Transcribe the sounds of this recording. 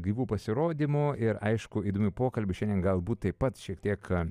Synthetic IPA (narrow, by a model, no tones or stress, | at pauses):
ɡɾʲiːʋuːpɐsʲɪɾoːd̪ʲimoɪɾɐɪʃkʊiːd̪oːmʲɪpoːkɐlʲbʲɪʃʲɛndʲiɛnɡɐlˠbuːt̪t̪ɐɪpɐt̪ʃʲiɛk̚t̪ʲiɛk